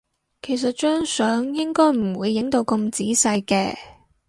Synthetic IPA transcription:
kʰe˨˩js̬ɐ˨t̚t͡ʃœː˥ŋsœː˨˥ŋjɪ˥ŋkɔː˥jm̩˨˩wuː˨˧jːɪ˨˥ŋt̪o˧wkɵ˧mt͡siː˨˥sɐ˧jkɛː˧

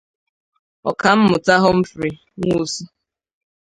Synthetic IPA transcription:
ɔ̰˨ka˨m̩˦mʊ˨ta˦ɦɔ˦m̩˦fɾi˨ | ŋu˦˨su˦

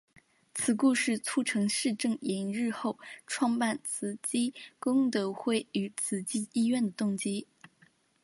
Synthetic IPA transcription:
t͡sʰɹ̩˨˩˦ku˥˧ʂɻ̩˥˧t͡sʰu˥ʈ͡ʂʰɤ˧˥ŋʂɻ̩˥˧ʈ͡ʂɤ˥˩ŋɛ˧˥nɻɻ̩˥˧xo˥˩ʊʈ͡ʂʰwɑ˥˧ŋpa˥˩nt͡sʰɹ̩˧˥t͡ɕi˥kʊ˥ŋt̪ɤ˧˥xwe˥˩ɪy˧˥t͡sʰɹ̩˧˩t͡ɕi˥˩i˥ɥɛ˥˩nd̪ə˩t̪ʊ˥˩ŋt͡ɕi˥

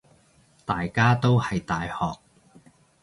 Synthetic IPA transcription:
t̪aː˨jkaː˥t̪o˥whɐ˨jt̪aː˨jhɔː˨k̚

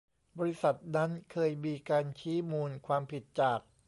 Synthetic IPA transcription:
bɔː˧ɾi˦˥sa˨˩t̪̚na˦˥nkʰɤː˧jmiː˧kaː˧nt͡ɕʰiː˦˥muː˧nkʰwaː˧mpʰi˨˩t̪̚t͡ɕaː˨˩k̚

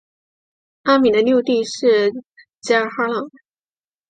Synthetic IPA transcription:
a˥mi˨˩d̪ə˦nju˥˧ʊt̪i˥˧ʂɻ̩˥˩ | t͡ɕa˥˧xa˥lɑ˨˩˦ŋ

